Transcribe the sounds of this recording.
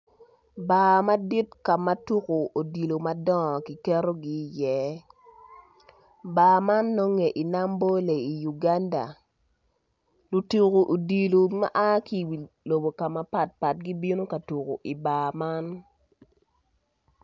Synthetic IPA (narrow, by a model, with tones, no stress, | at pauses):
ba˨ma˦di˦tka˨ma˨˦tu˦ko˨o˨di˨lo˨ma˦dɔ˦˨ki˨kɛ˦ɾo˦ɡi˦jɛ˦ | baː˨ma˦nːɔ˦ŋe˨ʔi˨na˦mbo˦le˨i˨ju˨ɡa˦nda̰˨ | lu˨tu˨ko˨ʔo˨di˨lo˨ma̰˦ʔa˦ki˦wi˨ | lo˨bo˨ka˨ma˨pa˨t̚pa˨t̚ɡi˦bi˦no˦ka˨tu˨ko̰˨ʔi˨ba˨ma˦n